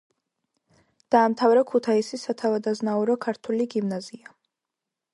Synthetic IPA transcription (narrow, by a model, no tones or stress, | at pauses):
d̪̥aːmt̪ʰavɾɛkʰut̪ʰaisisat̪ʰavad̪aznauɾɔkʰaɾt̪ʰuliɡimnazia